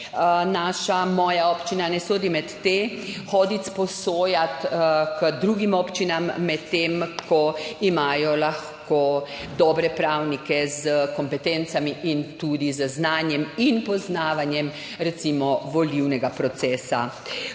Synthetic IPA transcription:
naːʃamɔːjaɔpt͡ʃinanɛsoːd̪imɛt̪ːe | xɔːd̪it̪spɔsoːjat̪kəd̪ɾuːɡimɔpt͡ʃinamːɛt̪ːemkʰɔimaːjɔlaxko | d̪ɔːbɾɛpɾawnikɛzəkɔmpɛt̪ɛnt̪samiʔint̪ud̪izəznaːnjɛminpɔznaːʋanjɛm | ɾɛt̪simɔʋɔliwnɛɡapɾɔt̪sɛːsa

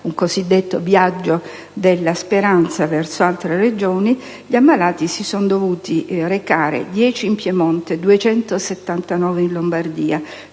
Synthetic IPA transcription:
uŋkozid̪ːet̪ːovjad͡ʒːo | d̪elːaspeɾant̪savɛrsoalt̪ɾered͡ʒoːni | ʎiamːalaːt̪isisonod̪ovuːt̪irekaːɾḛd̪jɛːt͡ʃiːmpjemɔnt̪ed̪uet͡ʃɛnt̪oset̪ːant̪anɔːveinlombard̪iːa

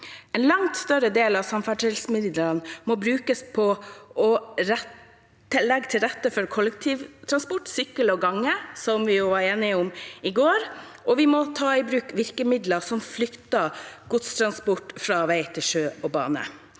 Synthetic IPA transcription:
ɛnlɑŋt̪st̪œɾəd̪eːlɑʋsɑmfæʈɪlsmɪd̪d̪ənmɔbɾʉːkəspʰɔʔɔɾɛ | əlːɛɡːt̪ʰɪlɾɛt̪ːəfɔɾkʰɔlək̚t̪ʰiːʋt̪ʰɾɑnspʊʈːsʏkːəlɔɡɑŋːəsɔmʋɪjʊʋɑɾeːnɪʊmɪɡoːɾ | ɔʋɪmɔt̪ʰɑːɪbɾʉːkʋɪɾkəmɪd̪ləsɔmflʏkt̪əɡ̥ʊt̪st̪ʰɾɑnspɔʈfɾɑʋæɪt̪ʰɪlʃøːɔbɑ̰ːnə̰

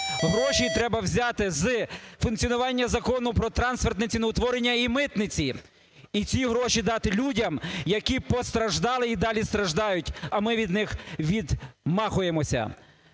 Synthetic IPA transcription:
ɦɾɔʃʲit̪ɾɛbɐwzʲɑt̪ɪzfʊnk̪ʲt͡sʲiɔnʊʋɑnʲːɐzɐkɔnʊpɾɔt̪ɾɑnspert̪nɪt͡sʲinɐwt̪ʋɔɾenʲːɐimɪt̪nɪt͡sʲi | it͡sʲiɦɾɔʃid̪ɑt̪ɪlʲudʲɐmjɐkʲipɔst̪ɾɐʒd̪ɑlˠɪid̪ɑlʲist̪ɾɐʒd̪ɑjʊtʲɐmɪʋʲid̪nɪxʋʲid̪mɑxʊjemɔsʲɐ̰

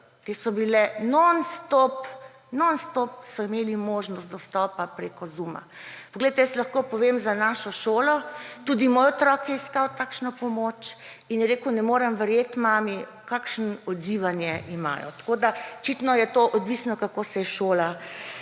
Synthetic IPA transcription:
t̪esɔbilɛnɔnst̪op | nɔnst̪op̚sɔimeːlimoːʒnɔst̪̚d̪ɔst̪ɔpapɾekɔzuma̰pɔɡleɪt̪ɛjəslaxkopɔʋemzanaʃɔʃoːlɔt̪uːd̪imoːjɔt̪ɾɔːkjɛiskawt̪aːkʃnɔpɔmoːt͡ʃ | injɛɾeːkunɛmoːɾɛmʋɛɾjeːt̪maːmi | kakʃnɔd̪ziʋanjɛʔima̰ːjɔ̰t̪ḁkoːd̪aɔt͡ʃit̪nɔjɛt̪oʔɔd̪ʋiːsnɔkakosɛjɛʃoːla

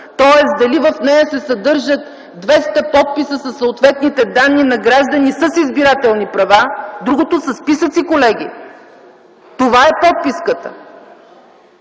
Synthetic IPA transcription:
t̪ɔɛsd̪ɐlivɐfnɛjɐsɛsɐd̪ɤɾʒət̪ | d̪vɛst̪ɐpɔt̪̚pisəsɐsːoːt̪vɛt̪nit̪ɛd̪anːinɐɡɾaʒd̪ənisɐsizbiɾat̪ɛlˠnipɾɐvad̪ɾuɡot̪osɐspisət̪sikolɛɡʲi | t̪ovaɛpɔt̪̚piskət̪ə̥̰

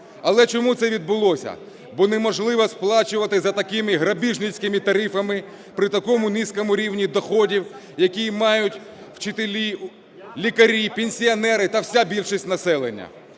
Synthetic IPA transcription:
ɐlˠɛt͡ʃɔmut̪sɛʋʲid̪̚bʊlˠɔsʲɐ̰ | bɔnɛmɔʒlˠɪʋɐsplˠɑt͡ʃʊʋɐt̪ɪzɐt̪ɐkɪmɪɦɾɐbʲiʒnɪt͡sʲkɪmɪt̪ɐɾɪfɐmɪ | pɾɪt̪ɐkɔmʊniskɔmʊɾʲiwnʲid̪ɔxɔdʲiw | jɐkʲijmɑjʊtʲ | w̥t͡ʃɪt̪elʲi | lʲikɐɾʲipenʲsʲiɐnɛɾɪt̪ɐwsʲabʲilʲʃisʲtʲnɐsɛlˠenʲːɐ̰

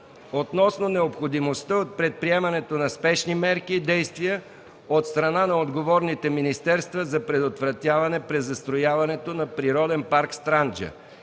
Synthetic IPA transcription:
ot̪nɔsnonɛopxod̪imost̪əot̪̚pɾɛt̪̚pɾiɛmɐnɛt̪onɐspɛʃnimɛɾkiːd̪ɛjst̪vijə | ot̪st̪ɾɐnanɐod̪ɡovɔɾnit̪ɛminist̪ɛɾst̪vəzɐpɾɛd̪ot̪vɾɐt̪ʲjavɐnɛpɾɛzːɐst̪ɾojavɐnɛt̪onɐpɾiɾɔd̪ɛnpaɾkst̪ɾand͡ʒə̰

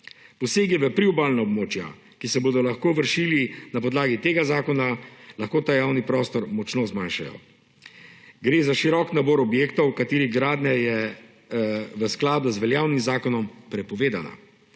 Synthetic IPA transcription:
pɔseːɡiʋɛpɾiubaːlnaɔbmoːt͡ʃja̰ | kisɛboːd̪ɔlaxkoːʋəɾʃiːlinapɔd̪laːɡit̪eːɡazaːkɔnalaxkoːt̪aːjawnipɾɔːst̪ɔɾmɔt͡ʃnozmanʃajɔ̰ | ɡɾeːzaʃiɾɔknabɔːɾɔbjeːkt̪ɔwkat̪eːɾiɣɡɾaːd̪nɛjɛ | ʋəsklaːd̪uzʋɛljaːwnimzaːkɔnɔmpɾɛpɔʋeːd̪ana̰

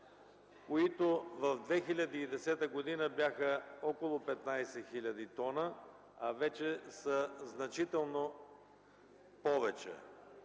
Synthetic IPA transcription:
koit̪ovɐvd̪vɛxilʲɐd̪iːd̪ɛsɛt̪əɡod̪inəbjaxəɔkolˠopɛt̪najsɛxilʲɐd̪it̪ɔnə | avɛt͡ʃɛsəznɐt͡ʃit̪ɛlˠno | pɔvɛt͡ʃɛ̰

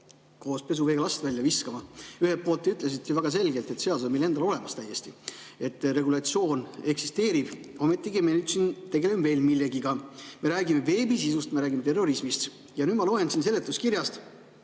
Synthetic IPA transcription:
ko̞ːspe̞s̬uveɡɑlɑst̪vælʲjɑviskɑmɑyhelt̪̚po̞ːlt̪ːyt̪ˑles̬it̪̚tevæɡ̥ɑs̬e̞lɡe̞lt̪ˑe̞t̪seɑlsomelːe̞nd̪ɑlo̞le̞mɑst̪æjːe̞st̪i | e̞t̪ːˑɾe̞ɡulɑt̪sio̞ːne̞ksi̥st̪e̞ːɾib̥ | o̞met̪ːˑiɡimenyːd̪̥sint̪eɡelemve̞ːlmilːe̞ɡiɡɑme̞ɾæːɡime̞ve̞ːbisisust̪meɾæːɡʲimet̪e̞rːo̞ɾismist̪ | jɑnyːd̪mɑlo̞ensinse̞lːe̞t̪ːˑuskiɾjɑst̪

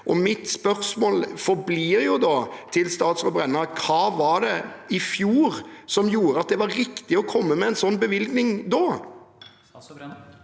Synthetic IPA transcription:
ʔɔmɪt̪spœɾsmoːlfɔɾbliːɾjʊd̪ɑt̪ʰɪlst̪ɑːt̪sʁɔbɾɛnːəɾkʰɑːʋɑd̪ɛɪfjuːɾsɔmjuːɾəɑt̪̚d̪ɛʋɑɾːɪkt̪ɪɔkʰɔmːəmɛɛnsɔnːbəʋɪlɡnɪŋd̪ɔ

